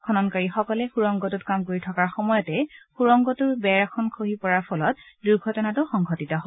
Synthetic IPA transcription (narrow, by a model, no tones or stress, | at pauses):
kʰɔnɔnkaɹixɔkɔlɛxuɹɔŋɡɔtutkamkoɹitʰɔkaɹxɔmɔjɔtɛxuɹɔŋɡɔtʊɹbɛɹakʰɔnkʰoɦipɔɹaɹpʰɔlɔt̚duɹɡʱɔtɔnatʊxɔŋɡʱɔtitɔɦo